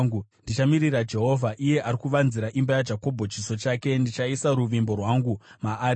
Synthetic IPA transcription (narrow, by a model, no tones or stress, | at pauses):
ɡundit͡ʃamirirad͡ʒe̞ɦo̞vʱaʔije̞ʔaɾikuʋanziɾaʔimbajad͡ʒako̞bʱo̞t͡ʃiso̞t͡ʃaːke̞ndit͡ʃaisaɾuʋimbo̞rwaŋɡumaː